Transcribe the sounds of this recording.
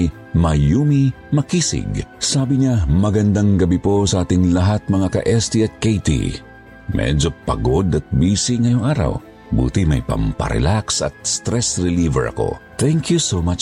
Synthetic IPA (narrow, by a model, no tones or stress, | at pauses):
mɐjumi | mɐkiːsɪ̰ɡsaːbɪɲamɐɡɐnd̪aŋɡɐbipo̞sɐʔaːt̪ɪŋlɐɦat̪̚mɐŋakɐ̰ʔɛst̪iɐt̪̚kejt̪ḭ | mɛ̰d͡ʒo̞pɐ̰ɡod̪ɐt̪̚biːsiŋɐjoŋʔaːɾa̰w | bṵːt̪imɐjpɐ̰mpɐ̰ɾɛ̰laksɐ̰t̪̚st̪ɾɛsɹɪlivɛ̰ɹʔɐ̰ko̞̰t̪ɛŋkjusomat͡ʃ